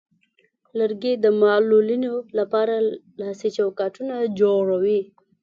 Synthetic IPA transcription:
ləɾɡed̪əmɑlulinolapɑɾa | lɑsit͡ʃawkɑʈunad͡ʒoɽawi

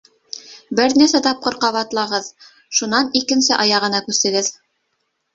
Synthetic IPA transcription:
bɘɾnæɾsæt̪ɑp̚qɤɾqɑβɑt̪lˠɑʁɤð | ʃunɑnikɘ̆nsɘʔɑjɑʁɤ̆nɑkʉst̪ɘ̆ɡɘð

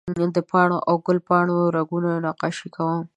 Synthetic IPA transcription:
d̪əpɑɳoʔawɡʊlpɑɳoɾaɡunanɑqɑʃikʰawəm

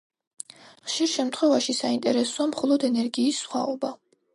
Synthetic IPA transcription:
χʃiɾʃɛmt̪ʰχwɛvaʃisaint̪ʼɛɾɛsuamχɔlˠɔd̪ɛnɛɾɡiːsːχwa̰ɔba

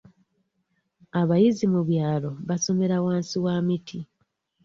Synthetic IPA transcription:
aβajizimuβjaːlo̞βaso̞me̞ɾawaːnsiwaːmitʰi

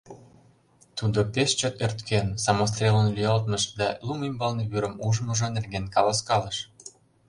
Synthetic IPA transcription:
t̪ud̪opeʃt͡ɕot̪ørt̪kʰensɑmos̬t̪rʲelənlyɑlt̪məʃd̪æ̰lumimbɑlneβyɾə̆muʒəməʒonerɡenkɑlɑskɑləʃ

